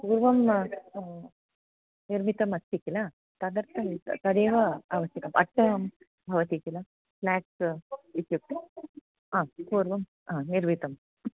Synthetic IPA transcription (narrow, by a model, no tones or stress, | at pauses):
kuːɾʋɐm | niɾmit̪ɐmɐst̪ːikila | t̪ɐd̪ɐɾt̪ʰɐmt̪ɐɽeːʋɐaːʋɐsjɐkɐmʔɐ̰ʈːɐʋɐm | bʱɐʋɐt̪ikila | pʰlaːʈsit̪juk̚t̪i | aːkuːɾʋɐm | ãːniɾmit̪ɐm